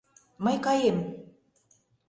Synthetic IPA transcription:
mɤjkɑjem

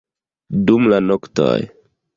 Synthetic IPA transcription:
dumlanokto̰j

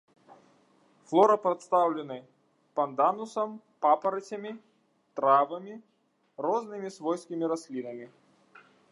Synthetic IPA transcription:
flˠɔɾɐpɾɐt̪st̪awlʲɪnɨ | pɐnd̪anʊsɐm | papɐɾɐt͡sʲɐmʲi | t̪ɾavɐmʲi | rɔznɨmʲisvɔjskʲimʲiɾɐsʲlʲinɐmʲi

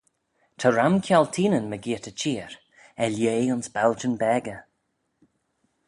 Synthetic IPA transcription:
t̪ʰəɹamkʰjɔlt̪ʰiːnənməɡiːtət͡ʃiːəɹ | ɛljeːʊnsbald͡ʒənbɛːɡə

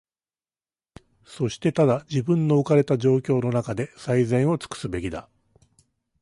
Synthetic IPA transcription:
so̞ɕi̥t̪e̞t̪ad̪ad͡ʑibɯ̟̃nːo̞ːkaɾe̞t̪aʑo̞ːkʲo̞ːno̞nakad̪e̞saizẽ̞ɰ̃o̞t͡sɨ̥kɯ̥sɨbe̞kʲid̪a

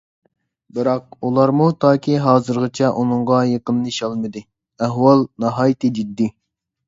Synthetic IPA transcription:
bɨɾɑq̚ulˠɑɾmut̪ʰɑːkʲiɦɑːzɨɾʁət͡ʃʰɛʔunɨŋʁɑjeqənːɨʃɑlˠmɨd̪ɨ | æɦwɑlˠnɑɦɑːjt̪ɨd͡ʒid̪ːi

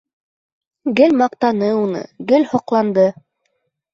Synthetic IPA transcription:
ɡɘlmɑq̚t̪ɑnɤunɤ̰ɡɘlhŏqlˠɑnd̪ɤ

